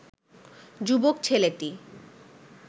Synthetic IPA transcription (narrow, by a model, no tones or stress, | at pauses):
d͡ʑubok̚t͡ɕʰeleʈi